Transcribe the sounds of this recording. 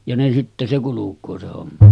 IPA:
jɑ ne sitːe se kulukˑoː se homːɑ

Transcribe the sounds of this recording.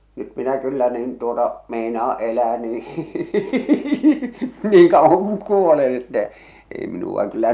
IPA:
nyt minæ kylːæ niːn tuotɑ meinɑː elæː niː niːŋ kɑuwɑŋ kuŋ kuolen etːɛ ei minuɑ kylːæ

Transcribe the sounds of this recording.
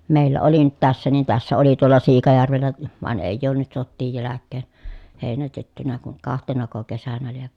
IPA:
meˑilːæ oli nyt tæsːæ niːn tæsːæ oli tuolɑ siːkɑjærʋelːæ ʋɑn eˑijˑ oːn nyt sotːiːj jælækːeːn heˑinætetːynæ kuŋ kɑhtenɑko kesænæ lieʋ

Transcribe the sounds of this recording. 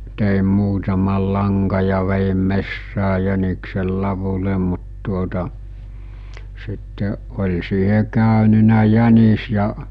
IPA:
teˑim muːtɑmɑl lɑŋkɑ jɑ ʋejim mesːæː jæniksel lɑʋule mut tuotɑ sitːe olʲ siːhe kæˑønynæ jænis jɑ

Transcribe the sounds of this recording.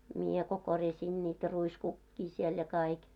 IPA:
mie ko korjɑsʲiːn niːtæ ruiskukːiː siel jɑ kɑik

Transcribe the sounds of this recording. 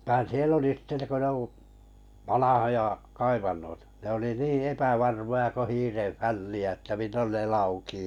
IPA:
ʋɑ̆ĭn̆ siel oli sĭte ko ne u ʋɑnɑhojɑ kɑiʋɑnːoitɑ̥ ne oli niː epæʋɑrmojɑ ko hiːreʋ fælːiæ ĕtːæ milːon ne lɑukiː

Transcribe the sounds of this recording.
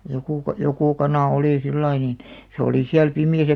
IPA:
jokuˑ kɑ joku kɑnɑˑ oliˑ silːɑi niːn se oliˑ siæl pimiæsæ

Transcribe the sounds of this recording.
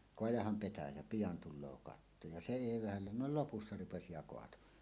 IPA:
koɑjɑhɑm petæjæ pijɑn tulˑoː kɑtːo jɑ se eˑi ʋæhælːæ no lopusːɑ rupesi jɑ koɑto

